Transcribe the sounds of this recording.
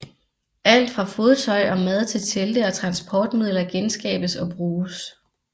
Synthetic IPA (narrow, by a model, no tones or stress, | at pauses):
æl̰d̥fʁɑ̈fo̝ːð̞ˠt͡sʰɒ̽ɪʔɒ̽mæð̞ˠt͡sʰe̝lt͡sʰeld̥əɒ̽t͡sʰʁɑ̈nsb̥ʰɒːd̥mið̞̰ˠlɐɡ̥ensɡ̥ɛ̰ːb̥əsɒ̽b̥ʁuːs